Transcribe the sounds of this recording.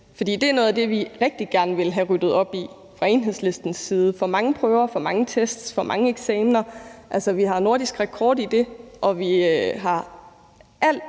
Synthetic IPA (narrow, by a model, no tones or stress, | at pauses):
fɒd̥ḭːd̥e̝æɐnɔ̽ːðˠæd̥e̝ʋiʁɛɡ̥̚d̥iɡ̥æɐnəʋe̝lɦæʁyd̥ð̞̩ˠɒ̽b̥i | fʁɑ̈e̝nɦe̝ð̰ˠsle̝sd̥n̩sːiːð̞ˠəfɒ̽mɑ̈ŋəpʰʁœːʊɐfɒ̽mɑ̈ŋət͡sʰesd̥sfɒ̽mʔɑ̈ŋəeɡ̥sɛːmnɐʔælsəʋiɦɑ̈no̝ɐd̥isɡ̥ʁɛkʰɒːd̥id̥e̝ʔɒ̽ʋiɦɑ̈ | ʔæl̰d̥